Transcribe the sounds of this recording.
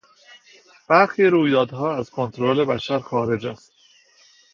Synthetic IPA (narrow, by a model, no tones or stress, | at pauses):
b̥æɾxiːɾuːjd̪ɒːd̪ɦɒːæzkʰo̞nt̪ʰɾole̞bæʃæɾxɒːɾe̞d͡ʒæst̪